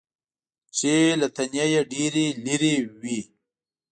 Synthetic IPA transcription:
t͡ʃelat̪ɐnijajaɖiɾiliɾiwi

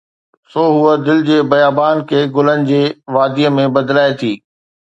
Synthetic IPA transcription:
soːɦʊəd̪ɪld͡ʑeːbɐjaːbaːnkʰeːɡʊlənɪ̆d͡ʑeːʋaːd̪iːəmẽbɐd̪laːet̪ʰiː

